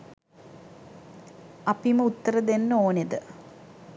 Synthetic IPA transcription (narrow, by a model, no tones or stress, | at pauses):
ɐpiməut̪ːəɾəd̪enːoːned̪ə